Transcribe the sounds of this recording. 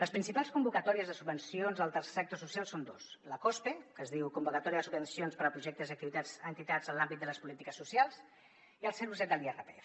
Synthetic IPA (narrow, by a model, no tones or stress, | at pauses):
ləspɾinsipalˠskumbukət̪ɔɾiəzðəsubbənsionzðəlˠt̪ərsesak̚t̪osusialˠsond̪osləkɔspekəzðiwkumbukət̪ɔɾiəðəsubənsionspəɾəpɾuʒɛk̚t̪əziək̚t̪iβit̪ad͡zənt̪it̪ad͡zənlambit̪̚d̪ələspulit̪ikəsːusialˠz | iəlˠsɛɾuzɛt̪̚d̪əlierəp̪eef